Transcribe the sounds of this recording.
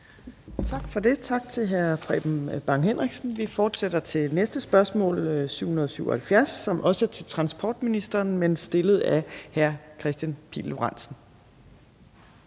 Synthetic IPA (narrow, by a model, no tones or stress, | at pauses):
t͡sʰɑ̈ɡ̥fɒ̽de̝t͡sʰɑ̈ɡ̥̚t͡sʰe̝lɦæɐpʰʁɛ̰b̥m̩b̥ɑ̈ŋhen̰ʁiɡ̥sn̩ʋifɒːd̥sed̥ɐt͡sʰe̝nesd̥əsb̥ɶɐsmɔ̰̽ːlsyʊ̰hunɐð̞ˠɒsyʊ̰ɐhælfjæɐsːɒ̽mʔɒ̽sət͡sʰe̝lt͡sʰʁɑ̈nsb̥ʰɒ̰ːd̥minisd̥ɐːnmensd̥e̝ləð̞̩ˠæhæɐkʰʁɛsd̥jænpʰḭːloʁɑ̈n̰sn̩